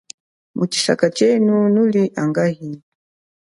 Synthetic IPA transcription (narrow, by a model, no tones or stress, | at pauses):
mut͡ʃi̥sa̰kat͡ʃɛnunuliʔaŋɡahi